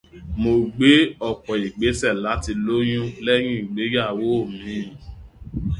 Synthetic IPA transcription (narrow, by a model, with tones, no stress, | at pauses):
mo˨ɡ͡be˨˦ɔ˦˨k͡pɔ˨i˨ɡ͡be˨˦sɛ˦˨la˨˦ti˧lo˦j̃ũ˦lɛ˦jĩ˦i˦˨ɡ͡be˨˦ja˦˨wo˦o˦˨mĩ˨˦˨